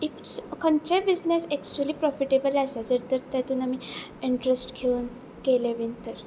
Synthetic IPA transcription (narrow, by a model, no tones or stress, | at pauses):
ifkʰənt͡ɕabid͡znesɛk̚t͡ɕuəliːpɾɔfiʈebəlasad͡zəɾt̪əɾt̪ãt̪uːnamiːiɳʈɾesʈkʰeʋuːn | keleʋint̪əɾ